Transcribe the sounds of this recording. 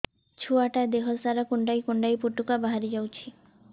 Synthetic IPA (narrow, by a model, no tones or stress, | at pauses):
t͡ʃʰuaʈad̪eɦɔsaɾakuɳɖajkuɳɖajpuʈːukabaɦaɾid͡ʒawt͡ʃʰi